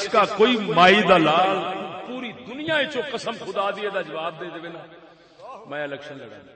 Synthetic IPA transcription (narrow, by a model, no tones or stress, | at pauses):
skaːkoːiːmaːiːd̪aːlaːlpuːɾiːd̪ʊnɪjãːet͡ʃõːkəsəmkʰʊd̪aːd̪ɪeːd̪aːd͡ʒəʋaːb̚d̪eːd̪eːʋeːnaː | mɛ̃ːɪlɛːkʃənləɽa̰ː